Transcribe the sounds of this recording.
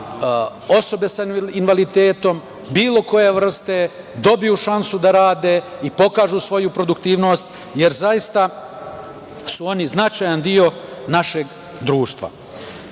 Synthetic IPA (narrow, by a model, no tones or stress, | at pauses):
o̞so̞be̞sainʋalit̪eːt̪o̞m | biːlˠo̞ko̞je̞ʋr̩st̪e̞ | d̪o̞bijuʃansud̪aɾaːd̪e̞ipo̞kaːʒusʋo̞jupɾo̞d̪ukt̪iːʋno̞ːst̪ | je̞ɾzajist̪a | suo̞niznat͡ʃajand̪io̞naʃe̞ɡ | d̪ɾuːʃt̪ʋa̰